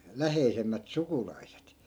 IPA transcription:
læheisemːæt sukulɑiset

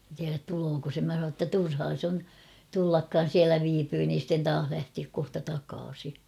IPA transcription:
tiæræt tuloːko se mæ sɑ tːɑ turhɑː s on tulːɑkːɑːn̞ siælæ ʋiːpyː niːn̞ sitːen tɑːh læhtiæk kohtɑ tɑkɑːsi

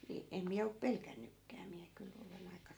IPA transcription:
ni em miæ op pelkænːykːæː miæ kyl olen ɑikɑ

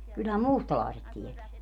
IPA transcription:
kylhæm muˑstɑlɑˑeset tieteæ

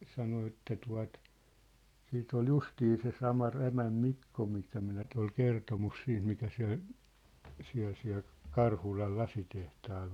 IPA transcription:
sɑno etːæ tuɑ̝t siːt ol justiː se sɑmɑ ræmæm mikːo mistæ minæ ny̆t ol kertomus siːnt mikæ siæ̝l siæ̝l siæ̝l kɑrhulɑl lɑsitehtɑːl

